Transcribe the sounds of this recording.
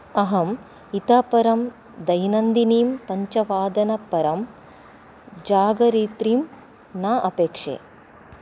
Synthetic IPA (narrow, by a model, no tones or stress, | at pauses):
ɐɦɐm | it̪aːpɐɾɐm | d̪ɐjnɐnd̪iniːmpɐɲt͡ʃɐʋaːd̪ɐnɐpɐɾɐm | d͡ʒaːɡɐɾiːt̪ɾiːm | naːʔɐpeːkʂḛː